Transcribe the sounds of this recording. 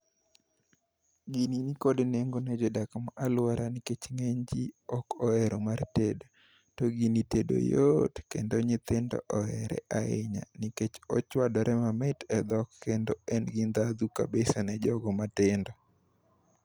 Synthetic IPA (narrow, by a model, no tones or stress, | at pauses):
ɡininikodneŋɡonɛd͡ʒɔdakmaʔalwaɾʔanɪket͡ʃŋeɲd͡ʒiɔkɔɛɾomartedo | tɔɡinitedo̰jotkendoɲɪt̪ɪndɔ̰ʔɔɛɾɛ̰ʔaḛɲa̰niket͡ʃɔ̰t͡ʃwadɔɾʔɛmamɪtɛd̪ɔkːendoɛnɡind̪ad̪uka̰besanɛd͡ʒɔɡɔmatɪndɔ